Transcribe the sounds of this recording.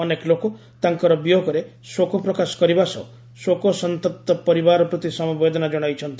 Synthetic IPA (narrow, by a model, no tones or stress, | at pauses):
ɔnekloko | t̪aŋkɔɾɔbjokɔɾe | swokɔpɾɔkasɔ̥kɔɾibasɔ̰ | sokɔsɔnt̪ɔt̪ːɔpɔɾibaɾɔpɾɔt̪isɔmɔbed̪ʱɔnad͡ʒɔɽ̃ajt͡ʃʰɔnt̪i